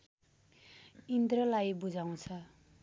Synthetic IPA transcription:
ind̪rʌlajbud͡zaw̃t͡sʰʌ

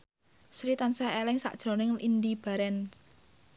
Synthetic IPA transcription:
sɾit̪ansahelɪŋsa̰ʔd̥ʒ̥ɾo̤nɪŋind̪ib̥a̤ɾɛn

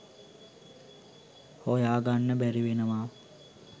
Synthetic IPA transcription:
hojaːɡanːəbæɾiʋenəʋaː

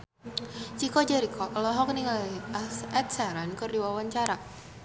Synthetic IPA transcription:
t͡ʃikɔd͡ʒaɾikɔʔlɔɦɔk̚niŋaasɛt̪̚saɾankərdiwawaɲt͡ʃaɾa

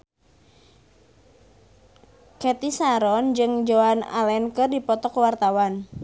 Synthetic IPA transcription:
kɛt̪isaɾɔnd͡ʒɨŋd͡ʒoana̰lɛnkərdipɔt̪ɔkwart̪awan

